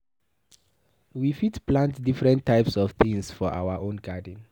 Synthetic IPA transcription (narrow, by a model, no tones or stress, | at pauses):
wifitpʰlãntdifɹɛ̃ntʰːaɪpsɔv̥θĩŋsfɔʔa̰wəʔõnɡadĩn